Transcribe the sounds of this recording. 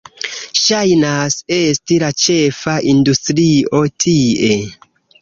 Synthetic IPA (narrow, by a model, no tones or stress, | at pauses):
ʃajnase̞stilat͡ʃe̞faʔindustɾio̞tʰie̞